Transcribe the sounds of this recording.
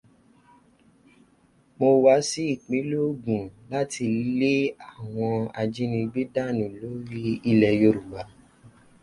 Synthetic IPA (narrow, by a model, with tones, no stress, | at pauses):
mo˧wa˧˦si˦i˦˨k͡pe˨˦lo˦ɡũ˨la˦ti˧˦le˦a˦˨w̃ɔ̃˧a˧d͡ʒi˦nĩ˧ɡ͡bi˦da˦˨nĩ˨lo˨˦ɾi˦i˧lɛ˨jo˧ɾu˨ɡ͡ba˨˦